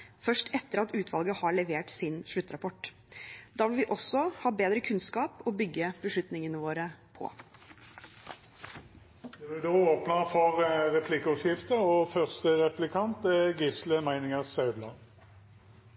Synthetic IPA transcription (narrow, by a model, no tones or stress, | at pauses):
fœʂʈɛt̪ːəɾɑt̪ʉːt̪ʰʋɑlˠɡəhɑɭɛʋeːʈsɪnʂɭʉt̪ːɾɑpʰɔʈː | d̪ɑːʋɪlʋɪʔɔsːɔhɑːbeːd̪ɾəkʰʉnskɑːpɔbʏɡːəbəʂɭʉt̪nɪŋənəʋoːɾəpʰɔ̰ | d̪ɛbɪd̪oːoːpnɑfɔʁʁɛpʰlɪkəɔʃjɪft̪əɔfœʁst̪əʁɛplɪkʰɑnt̪ɛɡɪsləmæɪnɪŋəʁsɑʉblɑ̰